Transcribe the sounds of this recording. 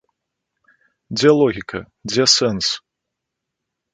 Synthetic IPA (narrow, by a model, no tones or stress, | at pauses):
d͡zʲɛlˠɔɣʲikɐ | d͡zʲɛsɛns